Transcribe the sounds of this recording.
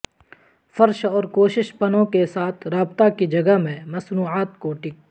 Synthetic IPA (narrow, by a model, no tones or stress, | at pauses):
fɐɾʃɔːɾkoːʃɪʃpɐnõkesaːt̪ʰɾaːbt̪akid͡ʒɐɡəɦmẽmɐsnuːaːt̪koʈɪːk̚